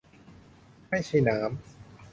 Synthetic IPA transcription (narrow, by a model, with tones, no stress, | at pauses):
ma˥˩jsʰi˧˩naː˩˦˥m